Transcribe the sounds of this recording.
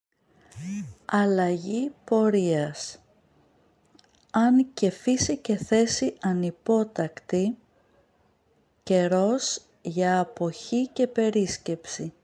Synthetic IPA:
ɐlɐʝipo̞ɾiɐs | ɐnce̞fisice̞θe̞siʔɐnipo̞t̪ɐkt̪i | ce̞ɾo̞z | ʝɐːpo̞çice̞pe̞ɾisce̞psi

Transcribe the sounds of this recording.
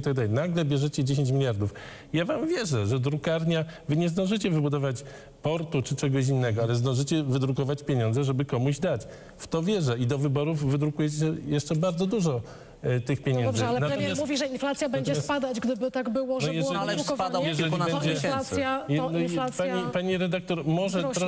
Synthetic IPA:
it̪aɡ̚d̪alɛjnaɡlɛbʲjɛʐɛt͡ɕɛd͡ʑeɕ̬eɲt͡ɕmʲilʲjaɾd̪uf | javamvʲjɛʐɛʐɛd̪ɾukaɾɲavɘɲɛzd̪ɔ̃ñʐɘt͡ɕɛvɘbud̪ɔvat͡ɕ | pɔɾt̪ut͡ʂɘt͡ʂɛɡɔɕ̬inːɛɡɔalɛzd̪ɔ̃w̃ʐɘt͡ɕɛvɘd̪ɾukɔvat͡ɕpʲjeɲɔ̃nzɛʐɛbɘkɔmuʑd̪at͡ɕ | ft̪ɔvʲjɛʐɛid̪ɔvɘbɔɾufvɘd̪ɾukujɛt͡ɕɛjɛʂt͡ʂɛbaɾd̪zɔd̪uʐɔ | t̪ɘxpʲjeɲɛnd̪ɔbzʐalnat̪ɔmmasmuvʲiʐɛinflat̪sʲjabɛɲd͡ʒɛsspad̪ad͡ʑɡd̪ɘbɘt̪aɡbɘwɔʐnɛjɛɛɾɔvajɛʐɛlibɛɲd͡ʑɛlasjanɔlaspaɲipaɲiɾɛd̪ak̚t̪ɔɾmɔʐɛɾɔ

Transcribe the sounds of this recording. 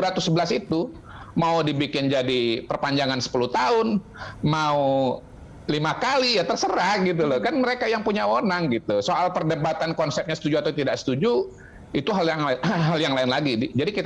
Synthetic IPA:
ɾat̪usəbəlasit̪u | maudibikɪnd͡ʒadipərpaɲd͡ʒaŋansə̥puluht̪aʊn | mau | limakalijat̪ərsəɾahɡit̪̬ulɔhkanməɾekajaŋpuɲaonaŋɡit̪usoʔalpərdəbat̪ankɔnsɛp̚ɲasə̥t̪ud͡ʒuat̪awt̪idaʔsə̥t̪ud͡ʒu | it̪uɦaljaŋɦaljaŋlaɪnlaɡidd͡ʒadikit̪

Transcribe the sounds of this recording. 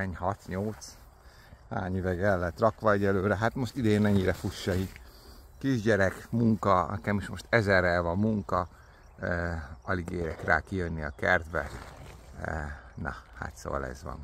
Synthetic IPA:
ɛɲɦɒt̪ɲo̞lt̪s | ha̰ːɲyvɛɡɛlːɛt̪rɒkʋɒɛɟɛløːɾɛɦat̪mo̞ʃt̪id̪eːnmɛɲːiɾɛfuʃːɒik | kiʒɟɛɾɛkmuŋkɒnɛ̰kɛmiʃmo̞ʃt̪ɛzɛrɛlvɒmːuŋkɒ | ɒliɡeːɾɛkra̰ːkijønːiɒkɛrd̪ʋɛz | nɒ̰ha̰t̪so̰ːɒ̰lɛ̰zʋɒ̰n

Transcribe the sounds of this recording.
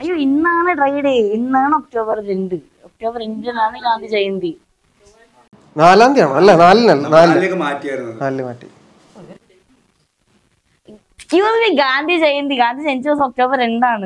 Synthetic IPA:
ɐjːoːinːaːɳɨʈrɐjɽeinːaːɳɨok̚ʈoːbɐrɾeɳɖɨ | ok̚ʈoːbɐɾeɳɖenaːɳɨɡaːnd̪ʱit͡ɕejːund̪i | naːlaːnd̪ijaːɳɨɐlːɐnaːlinɐlːnaːlkːɨmaːtːiajɽunːɐðnaːlːɨmaːʈːḭ | kjuːsʋiɡaːnd̪ʱit͡ɕejːɐnd̪iɡaːnd̪ʱit͡ɕent͡ɕːosok̚ʈoːbɐɾeɳɖaːɳɨ

